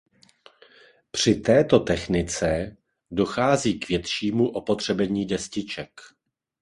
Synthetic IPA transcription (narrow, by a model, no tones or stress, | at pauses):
pr̝̥ɪt̪ɛːt̪o̞t̪ɛxnɪt͡sɛ | do̞xaːziːkvjɛt̪ʃiːmuʔo̞po̞t̪r̝̥ɛbɛɲiːdɛscɪt͡ʃɛk